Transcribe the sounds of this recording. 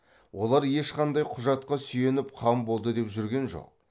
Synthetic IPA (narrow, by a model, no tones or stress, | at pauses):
wo̞lˠɑɾje̞ʃqʰɑnd̪ɑjqʰʊʒɑt̪̚qɑsʏje̞nɪpqʰɑmbo̞lˠd̪əd̪e̞pʒʏɾɡʲe̞nʒo̞̰q̚